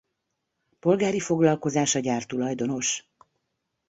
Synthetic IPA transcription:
po̞lɡaːɾifo̞ɡlɒlko̞zaːʃɒɟaːrt̪ulɒjd̪o̞no̞ʃ

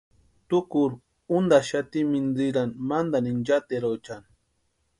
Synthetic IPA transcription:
t̪ʊkʊɾ | und̪aʃat̪imind̪iɾanmand̪anind͡ʒat̪eɾowt͡ʃan

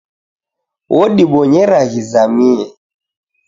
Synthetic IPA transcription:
wʔɔɗiɓɔɲɛɾaɣizamiɛ

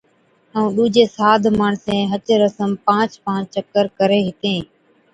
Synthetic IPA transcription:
əũːɗuːd͡ʒeːsaːd̪ʱmaɳsẽːɦət͡ʃɾəsəmpãːt͡ʃpãːt͡ʃt͡ʃəkːəɾkəɾeːɦɪt̪ẽː

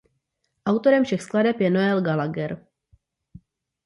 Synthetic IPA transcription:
ʔawt̪o̞ɾɛmfʃɛxskladɛpjɛnoɛlɡalaɡɛɾ

